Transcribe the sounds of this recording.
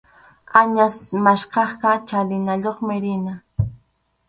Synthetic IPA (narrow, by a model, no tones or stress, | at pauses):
aɲasmaʃqɑχkat͡ʃalɪnaʎoχmɪɾɪna